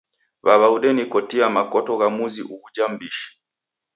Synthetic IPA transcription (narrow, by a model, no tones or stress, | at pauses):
βaβauɗɛnikɔtiamakɔtɔɣamuzḭʔuɡud͡ʒam̩biʃi̥